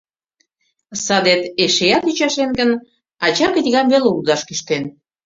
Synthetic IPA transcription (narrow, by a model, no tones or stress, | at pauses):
sɑd̪et̪eʃejɑt̪yt͡ɕɑʃenɡən | ɑt͡ɕɑkət̪ʲiɣɑmβeloud̪ɑʃkyʃt̪en